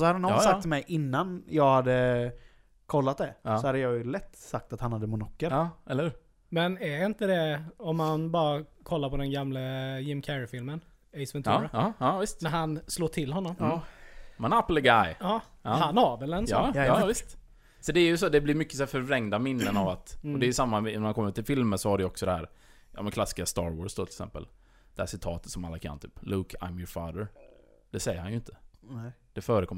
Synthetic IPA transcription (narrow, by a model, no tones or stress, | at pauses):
sɔhad̪əanɔsakt̪mɛjʔɪnːanjɑːɡhad̪ːə | kʰɔlːat̪̚d̪ɛsɔhad̪ːəjɑjlɛt̪ːsak̚t̪at̪hanhad̪ːəmʊnɔkːəɾɛləhʉːɾ | mɛnæɾɪnt̪əd̪ɛɔmːanbɑːɾakʰɔlːaɾpʰɔd̪ɛnɡamləjɪmkʰɛɾfɪlmən | ɛɪsmɪnt̪ːɾaɪst̪næɾɦansloːʈʰɪlːɦɔnːɔm | mɛnapːəlɡajɑː | ɑːhanhavɛlɛnsɑːɑvɪst̪ | sɔd̪ɛːjɵsɔd̪ɛblɪɾmʏkːə̥sɔæːfœɾvɾɛŋd̪amɪnːənavat̪ɔd̪ɛjʏsamːaɪnːaɾhankɔmːɾʉt̪ʰɪlfɪlməsɔhaɖɛjʏɔksɔd̪ɛhæːɾ | jɑ̰ːmɛnkʰlasːkɪast̪ɑːɾwɔ̰ːsd̪ot̪ʰɪlksɛ̰mpə̰l | d̪̥ɛhæːʂɪt̪ʰɑːt̪ət̪sɔmalːakʰa̰nːt̪ʰy̰ːpluːkʰa̰ɪmjɔfɑːd̪əɾ | d̪̥ɛsɛjːəɾhanjɵɪnt̪ʰə̥ | d̪̥ɛfœːɾəkʰɔmː